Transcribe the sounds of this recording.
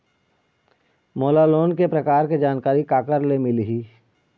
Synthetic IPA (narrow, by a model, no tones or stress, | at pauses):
moːlaloːnkepɾɐkaːɾked͡ʒaːnkaːɾikaːkəɾlemɪliɦiː